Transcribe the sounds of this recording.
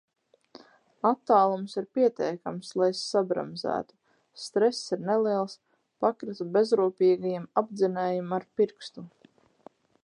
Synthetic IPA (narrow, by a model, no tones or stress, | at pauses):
at̪ːaːlˠumsiɾpiɛt̪ɛjkamslˠajsabɾa̰mzæ̰ːt̪u̥ | st̪ɾɛsːiɾneliɛlˠs | pakɾit̪ubezɾuːpʲiːɡajimab̚d̪zinɛːjumaɾpiɾkst̪u